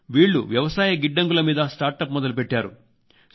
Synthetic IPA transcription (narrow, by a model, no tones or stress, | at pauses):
ʋiːɭːṵʋjɐʋɐsaːjɐɡiɖːɐŋɡulɐmiːd̪ɐsʈaːɾʈɐpmɔd̪ɐlupeʈːaːɾṵ